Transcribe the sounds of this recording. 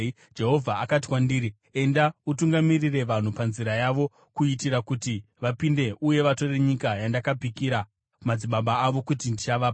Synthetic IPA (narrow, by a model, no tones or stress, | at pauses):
d͡ʒe̞ɦo̞vʱaakat̬i̥kwandiːɾi | e̞ndautuŋɡamirire̞ʋan̤upanziɾajaʋo̞ | kuitiɾakuti | ʋapinde̞ʔuje̞ʋato̞re̞ɲikajandakapikiɾa | mad͡ziɓaɓaːʋo̞kutindit͡ʃaʋap